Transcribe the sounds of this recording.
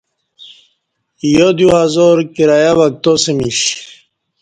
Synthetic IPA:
jod̪juhazoɾkiɾajaβak̚t̪osemiɕ

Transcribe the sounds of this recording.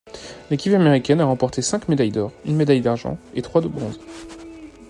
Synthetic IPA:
lekʲipameʁikʲɛnaʁɑ̃pɔʁt̪ʰesɛ̃kmed̪ajd̪ɔʁynmed̪ajd̪aʁʒɑ̰̃et̪χwad̪əbʁɔ̃z

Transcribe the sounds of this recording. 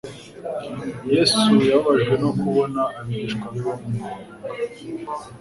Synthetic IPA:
jeːsujaβaʒɡwe̞no̞kuβo̞naːmiiʃkwaɾomumua

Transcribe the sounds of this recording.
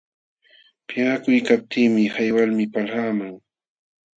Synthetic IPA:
pɪɢakʊjkap̚t̪ʰiːmɪhajwalmɪpalhaːmaŋ

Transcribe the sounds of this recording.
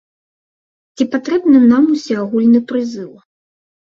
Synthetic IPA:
t͡sʲipat̪ɾɛbnɨnamusʲɛaɣulʲnɨpɾɨzɨw

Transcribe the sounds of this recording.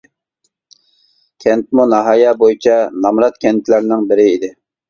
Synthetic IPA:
kʲʰɛnt̪̚munɑɦɑjɑbojit͡ʃʰɛnɑmɾɑt̪kʲʰɛnt̪ʰlæɾnɪŋbɪɾɪid̪ɪ

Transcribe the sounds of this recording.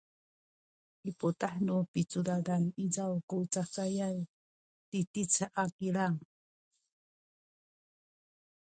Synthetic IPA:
iputaħnupit͡suɾalanizawkut͡sakajaj | titit͡saakilaŋ

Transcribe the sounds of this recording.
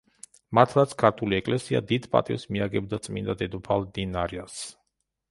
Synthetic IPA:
mat̪ʰlˠat̪sʰkʰaɾt̪ʰuliɛkʼlɛsia̰d̪id̪pʼa̰t̪ʼḭvsmiaɡɛbd̪at̪sʼmḭnd̪ad̪ɛd̪upʰalˠd̪inaɾias

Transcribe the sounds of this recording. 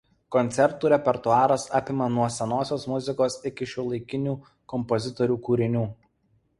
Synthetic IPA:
kɔnʲt̪sʲɛɾt̪uːɾʲɛpʲɛɾt̪ʊɑːɾɐsɑːpʲɪmɐnuɔsʲɛnoːsʲoːsmʊzʲɪkoːsɪkʲɪʃʲɛːlˠɐɪkʲɪnʲuː | kɔmpɔzʲɪt̪ɔɾʲuːkuːɾʲɪnʲuː

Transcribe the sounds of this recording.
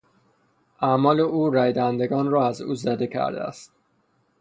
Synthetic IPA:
ʔæmɒːleʔuːɾæjd̪ænd̪e̞ɡɒːnrɒːæzuːzæd̪e̞cʰæ̰ɾd̪ḛæ̰st̪

